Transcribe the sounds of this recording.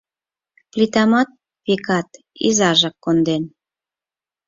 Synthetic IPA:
plit̪ɑmɑt̪̚ | βikɑt̪ | ḭzɑʒɑkːond̪en

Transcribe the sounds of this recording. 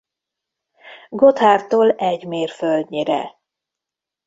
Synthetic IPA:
ɡot̪haːrt̪oːlɛɟmeːrføld̪ɲiɾɛ̰

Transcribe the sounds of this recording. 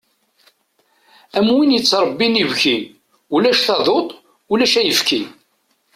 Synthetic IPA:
æmwinjət͡sːɾˤəbːinivçin | ulæʃθɑðˤot̪ˤ | ulæʃæjəfki

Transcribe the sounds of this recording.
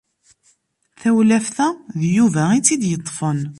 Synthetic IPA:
θæwlæfθæðjuvæit͡sːid̪jət̪ˤːfən

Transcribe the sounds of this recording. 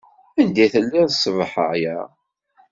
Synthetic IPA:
ænd̪iθəlːiðsˤːvəħə̰ʕjæ

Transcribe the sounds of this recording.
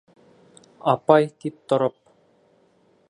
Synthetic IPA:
ɑpɑjt̪ip̚t̪oɾop̚

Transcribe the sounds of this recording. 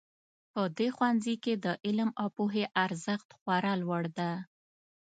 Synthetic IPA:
pəd̪exwanziked̪əʔɪlmɑpuɦeʔaɾzəxt̪xwaɾalwaɽd̪a

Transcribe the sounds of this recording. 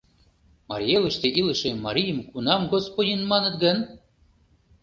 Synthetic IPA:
mɑ̰ɾʲjelˠə̆ʃt̪eʔilə̆ʃĕmɑɾʲijəmkunɑmɡospodʲinmɑnət̪ɡən

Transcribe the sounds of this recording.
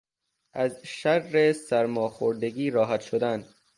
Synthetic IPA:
ʔæzʃærːesæɾmɒːxoɾd̪eɡiːɾɒːɦæt̪ʃod̪æn

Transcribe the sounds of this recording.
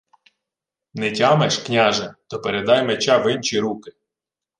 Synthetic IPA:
nɛtʲɑmɛʃknʲaʒɛt̪ɔpeɾed̪ɑjmet͡ʃaʋɪnt͡ʃiɾukɪ

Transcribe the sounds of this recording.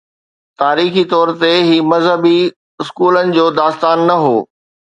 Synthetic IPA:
t̪aːɾiːxit̪ɔːɾt̪eɦiːmɐzɦəbi | ɪskuːlənɪ̆d͡ʑoːd̪aːst̪aːnːɐɦoː

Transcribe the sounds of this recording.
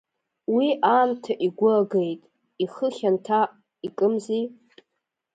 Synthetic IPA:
wiʔaːntʰaʔiɡʷʊaɡejtʼ | iχəχʲantʰa | ikʼɨmzi

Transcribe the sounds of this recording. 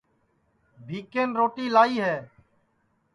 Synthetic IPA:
bʱiːkeːnɾoːʈiːlaːiːɦɛː

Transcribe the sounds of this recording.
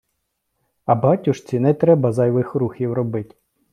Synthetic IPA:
ɐbɑtʲʊʃt͡sʲinɛt̪ɾɛbɐzɑjʋɪxɾuxʲiwrɔbɪtʲ

